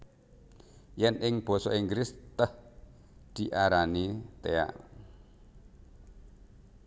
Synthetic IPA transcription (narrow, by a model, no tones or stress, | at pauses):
jɛnʔɪŋb̥ɔ̤sɔʔiŋɡɾɪst̪əh | d̪̥i̤ʔaɾanit̪ea̰ʔ